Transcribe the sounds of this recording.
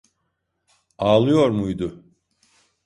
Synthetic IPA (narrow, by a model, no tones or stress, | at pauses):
aːlˠɯjo̞ɾmujd̪ʊ